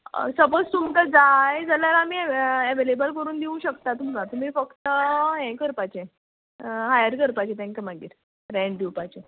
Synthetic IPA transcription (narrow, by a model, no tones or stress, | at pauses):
səpəst̪umt̪əd͡zajd͡zaljaɾamiːɛʋelebəlkəɾuːnd̪iũɕəkt̪at̪um̤əɡat̪um̤iːfəkt̪əɦɛ̃kəɾpat͡ɕẽ | ɦajəɾkəɾpat͡ɕẽt̪ʰɛ̃ŋkəmaɡḭːɾ | ɾɛ̃ɳɖd̪iwpat͡ɕe